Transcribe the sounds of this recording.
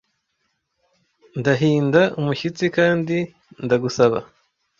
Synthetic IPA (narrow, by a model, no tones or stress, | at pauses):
ndaɦiːndaumuçit͡sikaːndi | ndaɡusaβa̰